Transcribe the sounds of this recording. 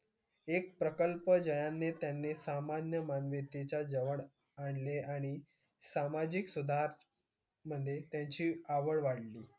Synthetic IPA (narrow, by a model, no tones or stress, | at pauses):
ek̚pɾəkəlpəd͡ʑəjanːet̪janːesamanjəmanʋet̪et͡ɕad͡zəʋəɽ | aɳleaɽ̃i | samad͡ʑiksud̪ʱaɾ | məd̪ʱjet̪jãɲt͡ɕiːaʋəɭʋaɽliː